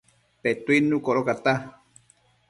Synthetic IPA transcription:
pet̪uinũkoɾokat̪a

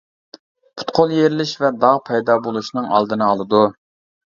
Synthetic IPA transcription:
pʰu̥t̪qʰolˠjeɾɪlɪʃvɛd̪ɑʁpʰɛjd̪ɑbolˠuʃnɨŋɑ̰lˠd̪ɨnɨɑlˠɨd̪u

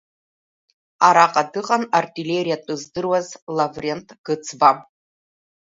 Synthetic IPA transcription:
aɾaqʼadɨqʼanartʼile̞rijatʷʼɨzdɨrwazlavrentʼɡ̥ɨt͡sʰba

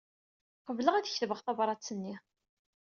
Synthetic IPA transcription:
qəvləʁæðçθvəʁθɑbɾˤɑt͡sːənːi

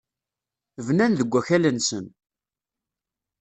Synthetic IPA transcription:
vnænðəɡʷːæçælənsən

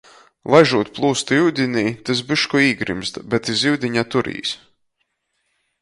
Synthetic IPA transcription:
lˠajʒuːt̪̚ʲplˠuːst̪iwd̪ʲinʲiːt̪ɨs̬bɨʃkɔiːɡɾḭmst̪bɛt̪ːiziwd̪ʲiɲat̪uɾḭːs

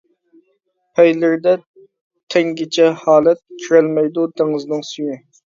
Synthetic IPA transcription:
pʰɛjlɪɾd̪ɛ | t̪ʰɛŋɡʲet͡ʃʰɛhɑːlˠɛt̪̚kʲʰyɾælmɛjd̪ud̪eŋɨznɨŋsyjy

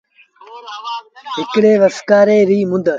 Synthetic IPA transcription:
ɦɪkɽeːʋəskaːɾeːɾiːmʊ̃nd̪ə

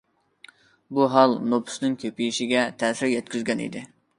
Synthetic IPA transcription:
buɦɑlˠnopʰʊ̥snɪŋkʲʰøpijiʃɪɡʲɛt̪ʰɛːsɪɾjɛt̪̚kʲyzɡʲɛnḭd̪ɪ

